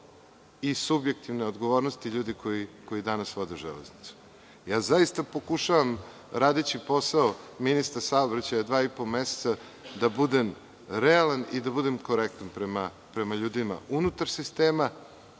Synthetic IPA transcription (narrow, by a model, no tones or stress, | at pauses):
isubjek̚t̪iʋneo̞d̪ɡoʋo̞ɾnost̪iʎuːd̪ikʰo̞iko̞jid̪anasʋod̪ɛuʒḛlḛznit̪su̥ | jaːzaist̪apo̞kuʃaʋam | ɾaːd̪et͡ɕipo̞saominist̪aɾsaobɾat͡ɕajad̪ʋaːipo̞lmese̥t̪sa | d̪abud̪e̞m | ɾealˠanid̪abud̪e̞mko̞ɾek̚t̪anpɾema | pɾe̞maʎuːd̪ima̰ʔunut̪aɾsist̪eːma